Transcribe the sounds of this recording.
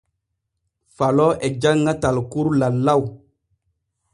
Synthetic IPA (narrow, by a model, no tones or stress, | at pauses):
falɔɛd͡ʒaŋːatalkuɾlalːaw